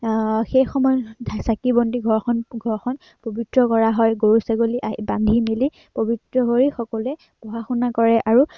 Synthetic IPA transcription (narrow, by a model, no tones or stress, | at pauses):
xejxɔmɔjdʰʱasakibɔndiɡʱɔɹxɔnɡʱɔɹxɔn | pobitɹɔkɔɹaɦɔjɡoɹusaɡoliʔaibandʱimili | pobitɹɔɦoɹixɔkɔlʊɛ | b̥ɔɦaxunakɔɹɛʔaɹu